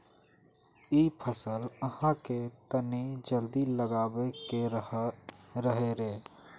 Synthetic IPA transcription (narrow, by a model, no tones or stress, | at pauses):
iːpʰəsələhãket̪əned͡ʒəld̪iləɡaːweke | ɾəɦeɾeː